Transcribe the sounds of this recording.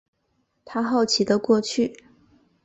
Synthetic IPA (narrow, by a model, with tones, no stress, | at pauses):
t̪ʰa˥xɑ˥˩ʊt͡ɕʰi˨˩d̪ə˧kwɔ˥˧t͡ɕʰy˥˩